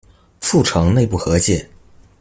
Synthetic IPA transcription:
fu˥˩ʈ͡ʂʰɤ˧˥ŋne˥˧ɪp̬u˥˩xɤ˧˥t͡ɕjɛ˥˩

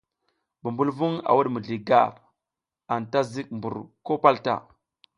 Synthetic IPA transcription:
bu˨mbu˦lvu˦ŋa̰˨wu˦ɗmu˨ɮi˨ɡa̰˦˨ɾ | a˨nta˦zi˦k̚mbu˨ɾko˦pa˦lta̰˦˨

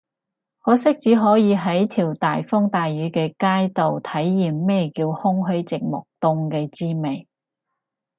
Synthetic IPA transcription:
hɔː˨˥sɪ˥k̚t͡siː˨˥ɦɔː˨˥jiː˨˧ɦɐ˨˥jt̪ʰiː˨˩wt̪aː˨jfʊ˥ŋt̪aː˨jɥyː˨˥kɛː˧kaː˥jt̪o˨wt̪ʰɐ˨˥jːiː˨˩mːɛː˥kiː˧whʊ˥ŋɦɵ˨˥ɥt͡sɪ˨k̚mʊ˨k̚t̪ʊ˧ŋkɛː˧t͡siː˥me˨j

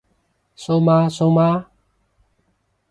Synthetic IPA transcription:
so˧˦ma˧so˧wma˦

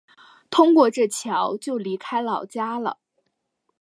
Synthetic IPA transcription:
t̪ʰʊ˥ŋkwɔ˥˧ʈ͡ʂɤ˥˩t͡ɕʰjɑ˧˥ʊt͡ɕjo˥˩ʊli˧˥kʰa˥ɪlɑ˨˩ʊt͡ɕja˥lə̰˨˩

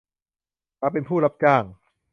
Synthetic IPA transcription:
ka˧˦˥pe˧npʰuː˥˩la˦˥p̚t͡ɕaː˥˩ŋ

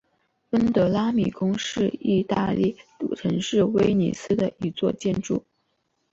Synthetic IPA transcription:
fə˥nt̪ɤ˧˥la˥mi˨˩kʊ˥ŋʂɻ̩˥˧i˥˧t̪a̰˥˧li˥˩t̪ṵ˨˩ʈ͡ʂʰɤ˧˥ŋʂɻ̩˥˩we˥ɪnḭ˨˩sɹ̩˥d̪ə˨i˧˥t͡swɔ̰˥˧t͡ɕjɛ˥˧nʈ͡ʂṵ˥˩

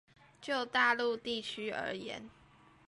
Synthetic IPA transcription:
t͡ɕjo˥˧ʊt̪a˥˧lu˥˧t̪i˥˩t͡ɕʰy˥ə̰˞˧˥jɛ̰˧˥˦n

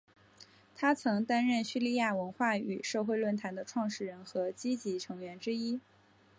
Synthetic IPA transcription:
t̪ʰa˥t͡sʰɤ˧˥ŋt̪a˥nɻə˥˩nɕy˥˧li˥˧ja˥˩wə˧˥nxwa˥˩y˨˩ʂɤ˥˧xwe˥˧ɪlwə˥˩nt̪ʰa˧˥nd̪ə˧ʈ͡ʂʰwɑ˥˧ŋʂɻ̩˥˩ɻə˧˥nxɤ˧˥t͡ɕi˥t͡ɕi˧˥ʈ͡ʂʰɤ˧˥ŋɥɛ˧˥nʈ͡ʂɻ̩˥i˥

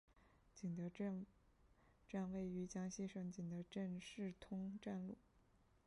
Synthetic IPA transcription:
t͡ɕi˨˩ŋd̪ə˧˥ | ʈ͡ʂa˥˧nwe˥˩ɪy˧˥t͡ɕjɑ˥ŋɕi˥˩ʂɤ˧˥ŋt͡ɕi˨˩ŋd̪ə˧˦ʈ͡ʂə˥˧nʂɻ̩˥˩t̪ʰʊ˥ŋʈ͡ʂa˥˧nlu˥˩

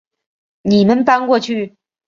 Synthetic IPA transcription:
ni˨˩mə˦npa˥nkwɔ˥˧t͡ɕʰy˥˩

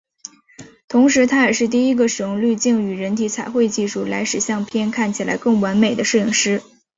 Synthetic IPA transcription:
t̪ʰʊ˧˥ŋʂɻ̩˧˥t̪ʰa˥ə˞˨˩ʂɻ̩˥˧t̪̬i˥˩i˥ɡə˨ʂɻ̩˨˩jʊ˥˧ŋly˥˧t͡ɕi˥˩ŋy˨˩ɻə˧˥nt̪ʰi˧˥t͡sʰa˨˩ɪxwe˥˧ɪt͡ɕi˥˧ʂu˥˩la˧˥ɪʂɻ̩˨˩ɕjɑ˥˧ŋpʰjɛ˥nkʰa˥˩nt͡ɕʰi˨˩la̰˧˥ɪkɤ˥˩ŋwa˧˥nme˨˩ɪd̪ə˦ʂɻ̩˥˧i˥˩ŋʂɻ̩˥

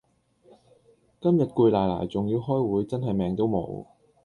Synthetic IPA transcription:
kɐ˥mjɐ˨t̚kuː˧jlaː˨˩jla̰ː˨˩jt͡sʊ˨ŋjiː˧wɦɔː˥jwuː˨˥jt͡sɐ˥nɦɐ˨jmɛː˨ŋt̪̬o˥wmo̰˨˧˥w

